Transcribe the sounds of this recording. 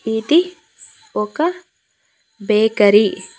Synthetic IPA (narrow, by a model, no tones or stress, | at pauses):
id̪i | okɐ | beːkɐɾi